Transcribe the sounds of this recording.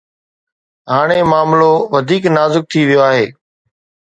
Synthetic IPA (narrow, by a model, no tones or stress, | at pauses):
ɦaːɽ̃eːmaːmloːʋəd̪ʱiːknaːzɪk̚t̪ʰiːʋɪjoaːɦeː